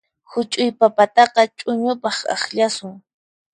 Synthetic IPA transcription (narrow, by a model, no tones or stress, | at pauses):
hʊt͡ʃʼʊjpapat̪ɑqɑt͡ʃʼʊɲʊpɑχɑ̰χʎasʊŋ